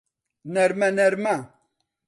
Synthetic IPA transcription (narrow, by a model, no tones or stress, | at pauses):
nɛɾmanɛɾma